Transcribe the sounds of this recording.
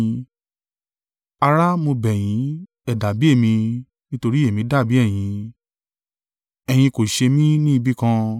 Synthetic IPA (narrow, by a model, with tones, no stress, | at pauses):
a˧ɾa˦mo˧bɛ˨j̃ĩ˨˦ | ɛ˦˨da˨bi˨˦e˦˨mĩ˧ | nĩ˦to˧ɾi˦e˨mĩ˨˧˦da˦˨bi˨˦ɛ˦˨j̃ĩ˨˧ | ɛ˨j̃ĩ˧ko˨ʃe˧mĩ˦nĩ˦i˧bi˦kã˦